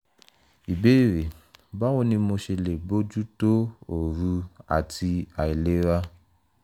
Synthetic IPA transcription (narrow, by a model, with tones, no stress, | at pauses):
i˨be˦˨ɾe˨ba˦o˦nĩ˧mo˧ʃe˧le˨bo˦d͡ʒu˦to˦o˨ɾu˧a̰˨ti˧a˨i˨le˦ɾa˦